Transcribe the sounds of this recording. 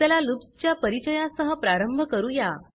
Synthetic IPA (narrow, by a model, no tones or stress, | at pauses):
t̪alalupst͡ɕjapəɾit͡ɕəjãsəɦəpɾaɾəmbʱəkəɾuːja